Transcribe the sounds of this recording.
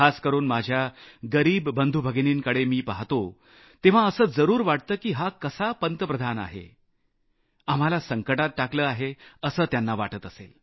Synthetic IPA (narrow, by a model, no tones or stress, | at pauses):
askəɾuːnmad͡ʑʱjaɡəɾiːbːənd̪ʱubʱəɡniːŋkəɽemiːpaɦt̪o | t̪eʋ̤aəsəːd͡zəɾuːɾʋaʈ̚t̪əːkiːɦakəsapənt̪əpɾəd̪ʱana̰ɦḛ | am̤alasəŋkəʈat̪̚ʈakləːaɦeəsəːt̪janːaʋaʈət̪əsḛl